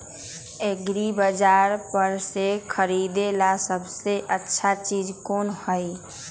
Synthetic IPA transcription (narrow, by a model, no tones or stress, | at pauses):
eɡɾibəd͡ʒaːɾpəɾsekʰəɾiːd̪elasəbseʔətːʃʰat͡ʃiːd͡ʒkoːnhəi